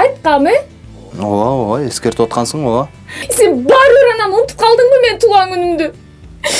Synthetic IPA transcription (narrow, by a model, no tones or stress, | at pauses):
ɑjt̪̚qɑme | ooeskʲe̞ɾt̪ɪwo̞t̪̚qɑnsəɴwo | senbɑɾəɾɑnɑmʊnt̪ə̥p̚qʰɑlˠd̪əɴbəme̞nt̪ʰuɑŋkʰʏnɪmd̪ɪ